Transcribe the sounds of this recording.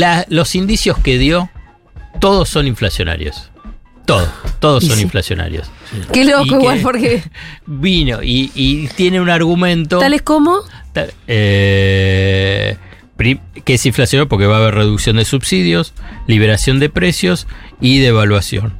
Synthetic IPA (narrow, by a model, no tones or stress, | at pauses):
lalo̞sind̪isjo̞ske̞ðjo̞ | t̪o̞ðo̞sːo̞niɱflasjo̞na̰ɾjo̰s | t̪oðo̰st̪o̞ðossːo̞niɱɱflasjo̞na̰ɾjo̞̰skelokoiɣwalpoɾkebino̰ʔiːt̪je̞neunaɾɣumẽ̞nt̪ot̪aleskomot̪ae | pɾikeesiɱflasjonajpo̞ɾke̞βaːβeɾreðuksjo̞nd̪e̞suβsiðjo̞sliβ̞e̞ɾasjo̞nd̪e̞pɾe̞sjo̞siðeːβalwasjo̞̰n